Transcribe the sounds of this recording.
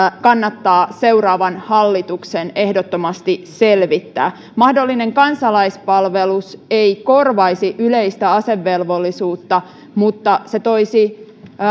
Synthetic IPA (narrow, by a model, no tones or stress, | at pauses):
kɑnːɑt̪ːɑːseuɾɑːʋɑnhɑlːit̪uksene̞hdot̪ːomɑst̪iselʋit̪ːæ̰ː | mɑhdolːineŋkɑnsɑlɑispɑlʋeluseiko̞rʋɑisiʔyleist̪æɑseʋːelʋolːisuːt̪ːɑ | mut̪ːɑset̪oisi